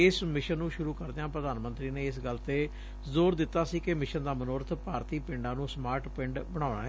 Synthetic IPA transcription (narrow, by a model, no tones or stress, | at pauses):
ɪsmɪʃənːũːʃʊɾũːkəɾd̪eãːpɾəd̪aːnmə̃nt̪ɾiːneːɪsɡəlt̪eː | zoːɾd̪ɪt̪ːaːsiːkɪmɪʃənd̪aːmənoːɾt̪ʰpaːɾt̪iːpɪɳɖãːnũːsmaːɾʈpɪ̃ɳɖbəɽ̃aːʊna̰ːɦ